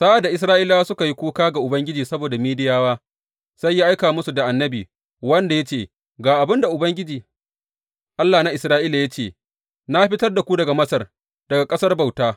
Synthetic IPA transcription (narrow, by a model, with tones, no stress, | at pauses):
sa˦ʔa˨da˨ʔɪ˨s̬ɾaː˦ʔɪ˦la˦wa˦sʊ˦ka˨ji˦kʷuː˦kaː˦ɡa˨ʔʊ˨bɐ˦ŋɡʲɪ˦d͡ʒiː˨sɐ˦boː˨da˨miː˦dɪ˦jaː˦waː˦ | sa˦jːaː˦ʔa˦jkaː˨mʊ˦su˨da˨ʔa˨nːɐ˦biː˨ | wɐ˦nda˨ja˦t͡ʃeː˨ | ɡaː˨ʔa˨bɪ˦nda˨ʔʊ˨bɐ˦ŋɡʲɪ˦d͡ʒiː˨ | ʔa˦lːaː˨na˦ʔɪ˨sɾaː˦ʔiː˦la˨ja˦t͡ʃeː˦˨ | na˦ɸɪ˦tɐ˦rda˨kʷu˦dɐ˨ɡa˨mɐ˦sɐ˨r | d̥ɐ˨ɡa˨kʼɐ˦sɐ˦rba˨wtaː˦